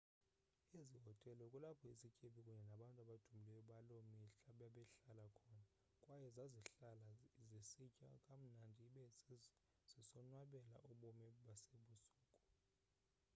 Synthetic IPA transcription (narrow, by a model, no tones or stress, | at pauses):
iziɦɔtʼɛlɔkʼulapʰɔisikʰʼepʰikʼuɲɛnaɓantʼaɓad̥ʱumilɛjɔɓalɔmɛɬɓaɓɛɬalakʰɔːna | kʼwajɛzaziɬalazisicʼa̰kʼam̩nandʱiːɓɛzi | z̥isɔnwaɓɛla̰ʔuɓɔmɛɓaseɓusuːkʼɔ̥